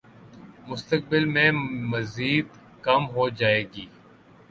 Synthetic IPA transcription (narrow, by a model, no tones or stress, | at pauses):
mʊst̪ək̚bɪlmẽmɐziːd̪ | kɐmɦod͡ʒaːeːɡiː